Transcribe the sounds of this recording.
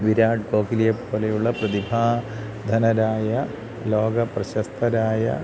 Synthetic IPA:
ʋiɾaːɖ̚ko̞ːkilijɐpːoːlejuɭːɐprɐd̪ibʱaː | d̪ʱɐnɐɾaːjɐ | lo̞ːɡɐprɐɕɐst̪ʰɐɾaːjɐ̰

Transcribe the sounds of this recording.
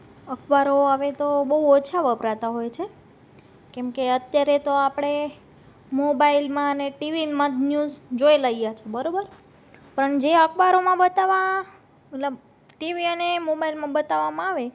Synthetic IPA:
əkʰbaɾoaʋet̪obəɦuot͡ʃʰaʋəpɾat̪aɦojt͡ʃʰe | kɛmkeət̪jaɾet̪oapɽ̃e | mobailmãəneʈiʋiməd̪njuzd͡ʒoeləijat͡ʃʰebəɾobəɾ | pəɳd͡ʒeəkʰbaɾomãbət̪aʋa | mət̪ləb | ʈiʋiənemobailmãbət̪aʋamãaʋe

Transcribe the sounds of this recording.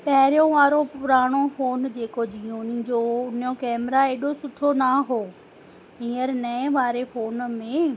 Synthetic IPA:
pɐɦɪɾijõʋaːɾopʊɾaːɽ̃ofoːnd͡ʑeːkod͡ʑijõnɪ̃d͡ʑoːʊnjõkɛːmɾaeːɗosʊʈ̪ʰonaɦoː | ĩːəɾnɐ̃ɪ̃ʋaːɾefoːnmẽ

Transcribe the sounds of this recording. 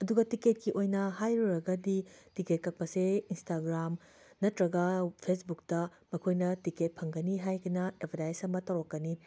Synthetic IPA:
ɐduɡɐtiket̚kiʔojnɐhajɾuɾɐɡɐditiket̚kɐk̚pɐseinstaɡɾam | nɐtɾɐɡɐpʰesbuk̚tɐ | mɐkʰojnɐtiket̚pʰɐŋɡɐniɦajɡɐnɐepʰɐɾajsɐmɐtɐwɾokːɐni

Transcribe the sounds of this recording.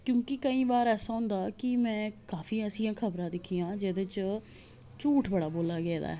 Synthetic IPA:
kjõːkɪkəĩːbaːɾɛːsaːɦʊ̃nd̪aːkɪmɛ̃ːkaːfiːɛːsijãːkʰəbɾãːd̪ɪkʰːijãːd͡ʒeːd̪eːt͡ʃ | t͡ʃuːʈʰbəɽaːboːlaːɡɛːd̪a̰ːɛ

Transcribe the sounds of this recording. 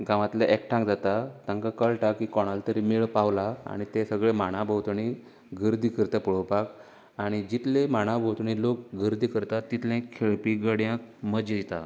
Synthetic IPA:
ɡãʋat̪leʔekʈʰãŋkd͡zat̪at̪ãŋkakəɭʈakikɔɽ̃alt̪əɾimiɭpaʋlaa̰ɽ̃it̪esəɡɭemaɽ̃abʱəwt̪ɳ̃i | ɡʱəɾd̪ʱikəɾt̪əpəɭowpak | aɽ̃id͡ʑit̪lẽmaɽ̃abʱəwt̪ɳ̃ilokɡəɾd̪ʱikəɾt̪at̪ːit̪lɛ̃kʰːeɭpiɡəɽjãk̚məd͡ʑ̪it̪a̰

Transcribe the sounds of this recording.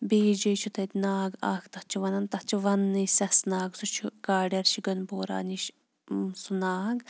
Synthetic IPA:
beːd͡ʒɐjt͡ʃʰut̪ʰɐt̪ʲnaːɡa̰ːkʰt̪ɐht͡ʃʰiʋɐnɐnt̪ɐht͡ʃʰiʋɐnːɨsɐsnaːɡsut͡ʃʰukaːɖɐɾʃiɡɐnboːɾa̰ːniʃ | sunaːɡ

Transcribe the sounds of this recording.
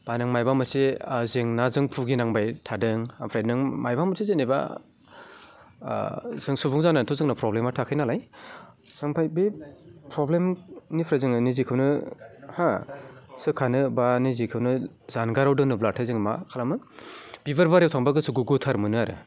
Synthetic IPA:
b̥anɯŋmajbamɯsezeŋnazɯŋpʰuɡinaŋbajtʰadɯŋapʰɾajnɯŋmajbamɯsʰezeneba̰ | zɯŋsubuŋzanːantʰɔzɯŋnapɾɔblematʰakʰɯjnalaj | z̥aŋpʰajbepɾɔblemnipʰɾajzɯŋnizikʰɯwnɯha | sɯkʰanɯbanizikʰɯwnɯ | zanɡaɾawdɯŋnɯblatʰazɯŋma̰kʰalamɯb̥ibaɾbaɾewtʰaŋbaɡɯsuɡuɡutʰaɾmɯnɯaɾɯ̰

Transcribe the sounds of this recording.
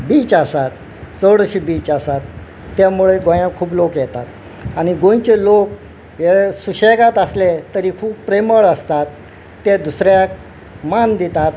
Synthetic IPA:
bit͡ɕasat̪ | səɽəɕibit͡ɕasat̪ː | jamuɭeɡõjãkʰuːplokjɛt̪at̪ | aɽ̃iɡõjt͡ɕelok̚ | jesuɕeɡat̪əslet̪əɾiːkʰuːbpɾeməɭəst̪at̪ː | ed̪usɾjak | mand̪it̪at̪

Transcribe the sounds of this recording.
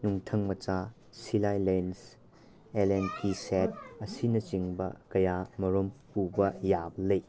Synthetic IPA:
nuŋtʰɐŋmɐt͡ʃa | silajlens | elenpiset̚ɐsinɐt͡ʃiŋbɐ̰kɐjamɐɾompubɐjablej

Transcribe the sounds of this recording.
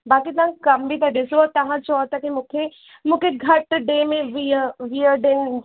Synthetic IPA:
baːkit̪ɐɦãkɐmbʱit̪ʰaɖɪsoɔt̪ɐɦãt͡ʃɔːt̪akimũːkʰe | mũːkʰeɡʱɐʈɖeːmẽʋiəʋijəɖen

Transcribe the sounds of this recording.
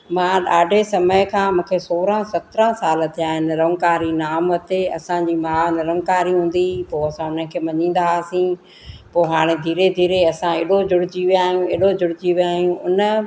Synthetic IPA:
mãːɗaːɖʱesɐməɪkʰãːmũːkʰesoːɾãsɐt̪ɾə̃saːlət̪ʰijaːɦɪnɪɾɐ̃ŋkaːɾinaːmɐt̪eɐ̰sãd͡ʑiːmaːɪnɾɐ̃ŋkaːɾiɦũːn̆d̪ipoːɐsãʊnəkʰeːmɐɲĩːn̆d̪aːsĩː | poːɦaːɽ̃ed̪ʱiːɾed̪ʱiːɾeɐsãeːɗod͡ʑʊɽ̤ɪd͡ʑiʋijaːɦijũeːɗod͡ʑʊɽɪd͡ʑiʋijaːɦijũʊnə̆

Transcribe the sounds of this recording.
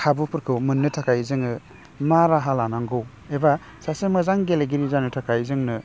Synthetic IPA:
kʰabupʰɯɾkʰɯwmɯnːɯtʰakʰajzɯŋɯ | maɾaɦalanaŋɡɯw | eba | sasemɯzaŋɡeleɡiɾizanɯtʰakʰajzɯŋnɯ

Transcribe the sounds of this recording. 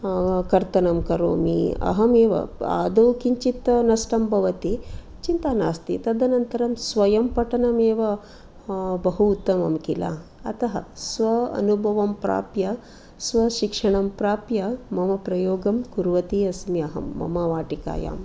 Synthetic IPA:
kɐɾt̪ɐnɐmkɐɾo̰ːmḭɐ̰ɦɐmeːʋɐ̰a̰ːd̪ɐwkiɲt͡ʃit̪ɐnɐsʈɐmbʱɐʋɐt̪i | t͡ʃint̪aːnaːst̪ḭt̪ɐd̪ʱɐnɐnt̪ɐɾɐmsʋɐjɐmpɐʈɐnɐmeːʋɐ | bɐɦuːt̪ːɐmɐ̰mkila̰ | ɐt̪ɐɦɐ̰sʋɐɐ̰nubʱɐʋɐmpɾa̰ːpjɐ | sʋɐʃikʂɐɳ̃ɐmpɾaːpjɐmɐmɐpɾɐjoːɡɐmkuɾʋɐt̪iɐsmiɐɦɐ̰mːɐ̰maʋaːʈika̰ːja̰ːm

